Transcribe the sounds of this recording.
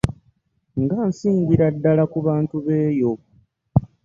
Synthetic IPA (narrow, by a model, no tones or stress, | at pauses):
ŋɡaːnsiːŋɡiɾadːalakuβaːntuβe̞ːjo̞